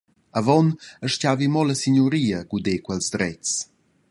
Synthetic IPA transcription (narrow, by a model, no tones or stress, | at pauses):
avɔnəʃcavimɔləsiɲuɾiːəɡudekwɛlzd̪ɾɛt͡s